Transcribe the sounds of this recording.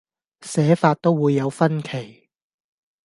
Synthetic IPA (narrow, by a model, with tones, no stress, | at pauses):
sɛː˨˥faː˧t̚t̪o˥wwuː˨˧jːɐ˨˧wfɐ˥nkʰe˨˩j